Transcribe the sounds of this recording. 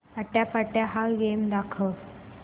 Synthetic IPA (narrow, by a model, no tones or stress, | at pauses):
aʈ̪japaʈjaɦaɡemd̪akʰə